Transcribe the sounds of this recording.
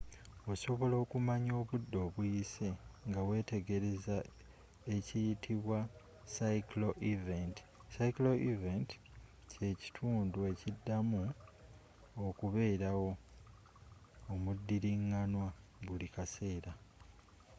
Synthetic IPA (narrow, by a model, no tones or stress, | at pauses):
o̞so̞βo̞lo̞ːkumaɲo̞ːβudːo̞ːβujiseŋɡawe̞ːte̞ɡe̞ɾe̞za | e̞cijitʰiβwa | saikloʔivent | saiklo̞ʔiventi̥ | ce̞ci̥tʰuːndue̞cidːamu | okuβe̞ːɾawo̞ | mudːiɾiŋːanwaβulikase̞ːɾa